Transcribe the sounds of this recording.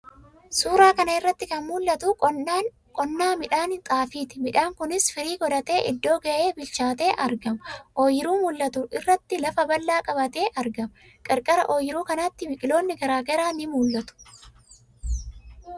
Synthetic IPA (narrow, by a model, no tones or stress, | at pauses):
suːɾaːkɐnɐɪrːɐt̪ːɪkɐnmuːlːɐt̪ʊ | kʼɔnːaːmɪᶑaːnt̪ʼaːfiːt̪ɪmɪᶑaːŋkʊnɪsfɪɾiːɡɔd̪ɐt̪e̞ːʔɪd̪ːo̞ːɡɐʔeːbɪlt͡ʃaːt̪e̞ːʔɐɾɡɐmɐʔoːjɪɾuːmʊlːɐt̪ʊʔɪrːɐt̪ːɪlɐfɐbɐlːaːkʼɐbɐt̪e̞ːʔɐɾɡɐmɐ | kʼɐɾkʼɐɾɐʔo̞ːjɪɾuːkɐnaːt̪ːɪbɪkʼɪlo̞ːnːɪɡɐɾaːɡɐɾaːnɪmuːlːɐt̪ʊ̥